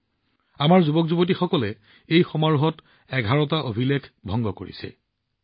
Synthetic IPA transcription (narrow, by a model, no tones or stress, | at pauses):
amaɹzubɔkzubot̬ixɔkɔlɛ | ejxɔmaɹuɦɔt | ɛɡʱaɹɔtaʔobʱilekʰbʱɔŋɡɔko̰ɹḭsɛ̰